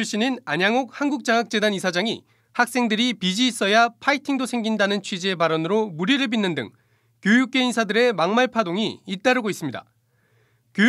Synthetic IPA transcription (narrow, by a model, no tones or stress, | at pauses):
uɕ͈ininaɲaŋok̚hanɡuk̚t͡ɕ͈aŋak̚t͡ɕ͈e̞danisʰad͡ʑaŋḭ | hak̚s͈e̞ŋdɯɾipid͡ʑiːs͈ʌjapʰaitʰiŋdosʰe̞ŋɡindanɯnt͡ɕʰɥid͡ʑiepaɾʌnɯɾomuɾiɾɯɭbinːɯndɯ̰ŋ | kjojuk̚k͈e̞insʰadɯɾe̞maŋmaɭpʰadoŋiːt͈aɾɯɡois͈ɯmɲida̰ | kjo